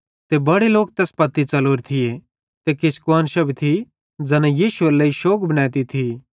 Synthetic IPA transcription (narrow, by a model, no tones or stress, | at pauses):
t̪ebɐɽeloːk̚t̪ɛːspɐt̪ːit͡sɐloːɾt̪ʰɪje | t̪ekɪskuaːnʃɐbit̪ʰi | d͡zɐnɛjiːʃʊelɐiʃoːkbɐnɛːt̪it̪ʰi